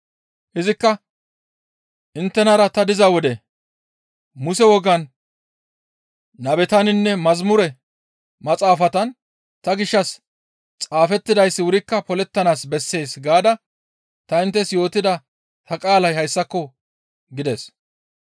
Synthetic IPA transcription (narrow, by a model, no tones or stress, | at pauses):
ʔɪzɪkːɐ | ʔɪnt̪ːɛnɐɾɐt̪ɐd̪ɪzɐwɔd̪ɛ | mʊsɛwɔɡɐn | ɐbɛt̪ɐnɪnːɛmɐzmʊɾɛ | mɐt͡sʼaːfɐt̪ɐn | t̪ɐɡɪʃːɐs | t͡sʼaːfɛt̪ːɪd̪ɐjsːɪwʊɾɪkːɐpɔlɛt̪ːɐnaːsbɛsːe̞ːsɡaːd̪ɐ | t̪ɐɪnt̪ːɛsjo̞ːt̪ɪd̪ɐ | hɐkʼaːlɐjhɐjsːɐkːɔ | ɡɪd̪es